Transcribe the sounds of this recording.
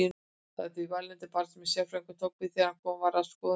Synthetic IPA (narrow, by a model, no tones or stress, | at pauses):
a̰t̪iivalɛnt̪ɪpaɾt̪smɛsjafɾejŋkʏt̪ʰowk̚vɪθɛɾakʰɔmvaɾaðskɔ